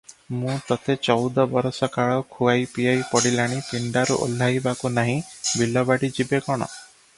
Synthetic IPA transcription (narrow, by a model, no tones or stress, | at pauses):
mũt̪ɔt̪et͡ʃɔwd̪ɔbɔɾɔsɔkaɭɔkʰuajpiajpɔɽilaɽ̃ipiɳɖaɾuʔo̰l̤ːaɦjbakunaɦĩbilɔbaɽid͡ʒibekɔɽ̃ɔ̰